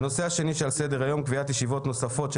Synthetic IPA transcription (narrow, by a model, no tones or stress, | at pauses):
no̞seaʃe̞niʃealsed̪eʁajo̞mkviat̪jeʃivo̞t̪no̞safo̞t̪ʃ